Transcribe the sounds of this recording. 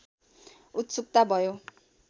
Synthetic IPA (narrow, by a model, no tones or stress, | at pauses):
ut̪suk̚t̪abʱʌjo